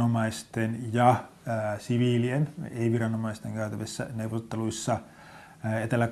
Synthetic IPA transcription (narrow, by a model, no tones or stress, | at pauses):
omɑist̪enjɑ | siʋiːlieneiʋirɑnomɑist̪eŋɡ̥æyt̪æʋisːæ̰neuʋˑot̪ːeluisːɑ | et̪elːæ